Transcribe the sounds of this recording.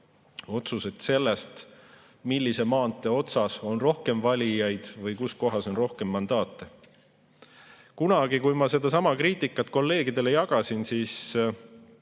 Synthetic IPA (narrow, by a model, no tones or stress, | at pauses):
o̞t̪suse̞t̪se̞lːe̞st̪ | milʲːise̞mɑːnt̪ːˑe̞o̞t̪sɑso̞nro̞hke̞mvɑlʲijɑjd̪̥vɤjkusko̞ɦɑso̞nro̞hke̞mːɑnd̪̥ɑːt̪ːˑe | kunɑɡ̥ikujmɑse̞d̪̥ɑsɑmɑkriːt̪ˑikːˑɑt̪̚ːˑko̞lːe̞ːɡid̪e̞le̞jɑɡ̥ɑsinsiːs